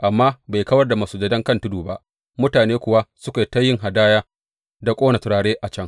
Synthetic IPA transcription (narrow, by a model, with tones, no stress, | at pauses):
ʔa˨mːaː˦ba˨jkɐ˦wɐ˦rda˨ma˨suː˦d͡ʒɐ˨dɐ˦ŋkɐ˦˨ntʊ˦duː˨ba˦ʔ | mʊ˦taː˨neː˦kʷʊ˨wa˦sʊ˦ka˨tɐ˦jːɪ˦ŋɦa˨daː˦jaː˦ | da˨kʷʼoː˦na˨tʊ˨ɾaː˨ɽeː˦ʔa˨t͡ʃɐ˦˨ŋ